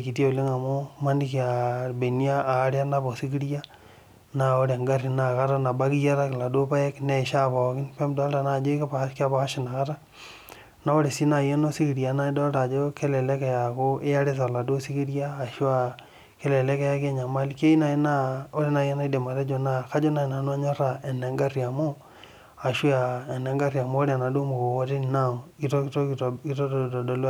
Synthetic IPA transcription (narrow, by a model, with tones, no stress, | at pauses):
ki˨tje˦o˨le˦ŋa˨mo˦ma˦ni˦ki˨a˨be˨ni˦a˦ʔaː˨˦ɾja˦na˦bo˨si˦ki˦ɾja˦ | na˨o˦ɾe˨a˨ŋɡa˦ri˨na˨ka˦ɾa˦na˨ba˦ki˦ja˦ɾa˦kla˨do˦pa˦ɛ˦knɛ˨ʃa˦pa˨kɪ˦npɛ˦mda˦lta˨na˦˨d͡ʒo˦kpaka˦˨pa˨ka˦ʃɪ˨na˨ka˦ta˦ | na˦o˦ɾe˨si˦na˨je˦no˦si˦ki˨ɾja˨˦na˦i˦dɔ˦ta˨d͡ʒo˦ke˦lɛ˨le˦kɛ˨ja˨ko˦ʔe˦ja˦ɾe˦s̬a˨la˨do˦si˦ki˦ɾjaː˦˨ʃwa˨ | ke˦lɛ˨le˦kɛ˦ja˦ke˦ɲa˨ma˦like˦i˦na˨e˦na˦o˦ɾe˦na˨je˦na˦i˦de˨ma˨ɾe˦d͡ʒo˨na˨ka˦d͡ʒo˦na˨i˨na˨nwa˦ɲɔ˦ɾa˨ʔɛ˨nɛ˨˦ŋɡa˦rja˨mo˦ | a˨ʃu˦a˨ɛ˨nɛ˨ŋɡa˦ɾja˨moː˦ɾe˦a˨na˨do˦mo˨ko˨wo˦te˦n˨na˦˨o˨ki˦to˦to˦ki˦to˦˨do˨l